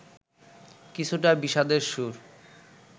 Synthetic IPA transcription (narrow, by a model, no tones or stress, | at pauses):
kit͡ɕʰuʈabiʃad̪eɾʃuɾ